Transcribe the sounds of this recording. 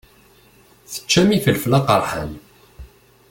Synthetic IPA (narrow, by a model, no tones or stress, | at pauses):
θə̥t͡ʃːæmifəlflɑqəɾˤħə̰n